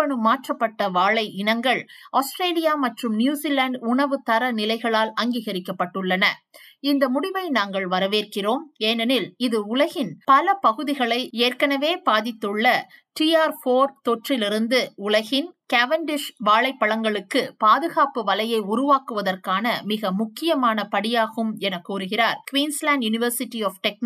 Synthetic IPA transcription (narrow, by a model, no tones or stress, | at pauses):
ɐɳɯmːaːʈrɐpːɐʈːɐʋaːɭɐɪɪnɐŋɡɐɭaːsʈɾeːlɪjaːmɐʈrɯmnjuːsiːlaɳɖʊɳɐʋɯt̪ɐɾɐnɪlɐɪɣɐɭaːlɐŋɡiːɣɐɾɪkːɐpːɐʈːɯɭːɐnɐɪnd̪ɐmʊɽɪʋɐɪnaːŋɡɐɭʋɐɾɐʋeːrkɪroːmeːnɐnɪlɪðɯʊlɐɣɪnpɐlɐpɐɣɯðɪɣɐɭɐɪeːrkɐnɐʋeːbaːðɪt̪ːɯɭːɐʈiaːɾfoːɾt̪ɔʈrɪlɪɾɯnd̪ɯʊlɐɣɪnkaʋɐɳɖɪʂʋaːɭɐɪpːɐɭɐŋɡɐɭɯkːɯpaːðɯɣaːpɯʋɐlɐjɐɪʊɾʊʋaːkɯʋɐðɐrkaːnɐmɪɣɐmʊkːɪjɐmaːnɐpɐɽɪjaːɣɯmɛnɐkːuːɾɯɣɪraːɾkʋiːnslaːnɖjʊnɪʋɐɾsɪʈːiɔːfʈɛk̚n